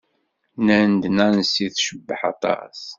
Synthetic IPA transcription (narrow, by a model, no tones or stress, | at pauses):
nænd̪næɾnsiθʃəbːəħɑ̰t̪ˤɑ̰s